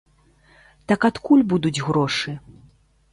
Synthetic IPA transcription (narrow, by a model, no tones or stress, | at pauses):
t̪ɐkat̪kulʲbud̪ud͡zʲɣɾɔʂɨ